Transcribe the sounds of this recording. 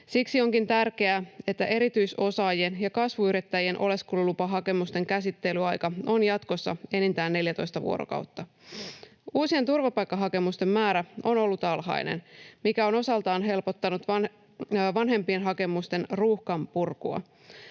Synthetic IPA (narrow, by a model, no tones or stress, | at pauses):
siksio̞ŋkint̪ærk̟e̞æe̞t̪ːæʔe̞ɾit̪yjso̞sɑːjienjɑkɑsʋuyɾit̪ːæjie̞nʔo̞̰le̞skululupɑɦɑke̞must̪e̞ŋkæsit̪ːe̞lyɑjkɑo̞njɑt̪ko̞sːɑ̰e̞nint̪æːnːe̞ljæt̪ojst̪ɑʋṵoɾo̰kɑ̰wt̪ːɑ | uːsie̞nt̪urʋɑpɑjkːɑɦɑke̞must̪e̞mːæːɾæo̞no̞lːut̪ɑlɦɑ̰jnḛnmikæo̞no̞sɑlt̪ɑːnɦe̞lpo̞t̪ːɑnut̪ʋɑ | ʋɑnɦe̞mpienɦɑke̞must̪e̞nruhkɑmpurkuɑ̰